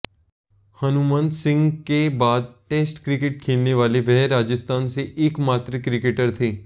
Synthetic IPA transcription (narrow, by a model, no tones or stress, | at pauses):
hɐnumə̃nd̪sɪ̃ŋɡkebaːd̪̚ʈeːsʈkɾɪkɪʈ̚kʰeːlneʋaːliʋɛɦɾaːd͡ʒəst̪aːnseʔɪːkmaːt̪ɾekɾɪkeʈəɾt̪ʰiː